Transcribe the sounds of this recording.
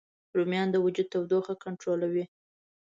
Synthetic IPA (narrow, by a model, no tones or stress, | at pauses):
ɾumjɑnd̪əwad͡ʒud̪̚t̪awd̪oxakaɳʈɾolawi